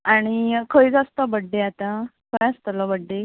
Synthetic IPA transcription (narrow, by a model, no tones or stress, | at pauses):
aɽ̃ikʰəjd͡zast̪əbəɖːeat̪ã | kʰəjast̪əlɔbəɖːe